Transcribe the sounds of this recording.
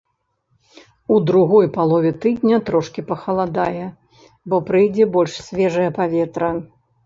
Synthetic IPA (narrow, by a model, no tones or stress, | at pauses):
ud̪ɾuɣɔjpalˠɔvʲɛt̪ɨd̪ʲnʲɐt̪ɾɔʂkʲipɐxɐlˠad̪ajɛ | bɔpɾɨjd͡zʲɛbɔlʲʂsʲvʲɛʐɐjɐpavʲɛt̪ɾɐ